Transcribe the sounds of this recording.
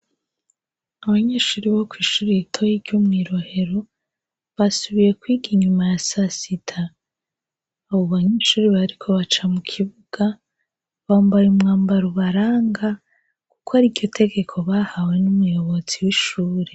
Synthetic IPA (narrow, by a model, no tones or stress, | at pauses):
aβaɲeʃuːɾiβokwiːʃuɾiitʰo̞jiɟomŋiːɾo̞he̞ɾo̞ | βasuβije̞kwiːɡiɲumajasasitʰa | βoβaɲeːʃuːɾiβaɾikʰo̞βat͡ʃamukʰiβuɡ̥a | βaːmbajumŋaːmbaɾuβaɾaːŋɡa | ku̥koaɾiːɟo̞tʰe̞ɡe̞kʰo̞βahawenumujo̞βo̞z̥iwiʃuːɾe